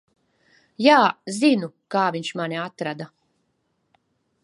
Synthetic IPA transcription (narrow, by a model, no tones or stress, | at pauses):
jaːzinu | kaːviɲʲʃmaniat̪ɾad̪a